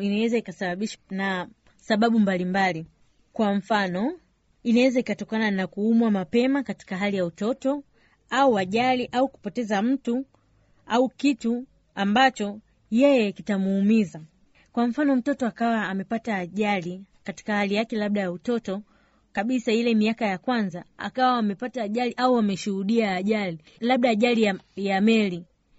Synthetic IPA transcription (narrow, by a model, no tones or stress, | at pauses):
inawɛzaikasaɓaɓiʃana | saɓaɓumbalimbali | kwam̩fanɔ | inawɛzaikatɔkananakuumwamapɛmakati̥kaɦalijautɔtɔ | auaʄaliʔauku̥pɔtɛzam̩tu | aukitu | ambat͡ʃɔ | jɛjɛkitamuːmiza | kwam̩fanɔm̩tɔtɔakawaːmɛpataːʄalikati̥kahalijakɛlaɓ̚ɗajautɔtɔ | kaɓisailɛmiakajakwanzaa̰kawaːmɛpataːʄaliʔauamɛʃuhuɗiaːʄali | laɓ̚ɗaːʄaliajamɛli